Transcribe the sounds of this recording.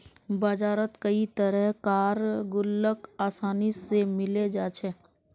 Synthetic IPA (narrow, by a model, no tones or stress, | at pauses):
baːd͡ʒaːɾət̪kəit̪əɾəɦkaːɾɡʊlːəkaːsaːnisemɪled͡ʒaːt͡ʃʰɛ